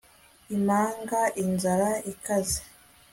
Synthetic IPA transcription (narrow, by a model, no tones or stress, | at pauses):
imaːŋɡaʔinzaɾaikaze̥